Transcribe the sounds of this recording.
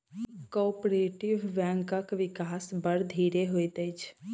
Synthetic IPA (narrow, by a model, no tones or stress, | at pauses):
kɔpɾeʈiʋːɛ̃ŋkəkʋɪkaːsbəɾd̪ʱiɾeɦojt̪ət͡ʃʰ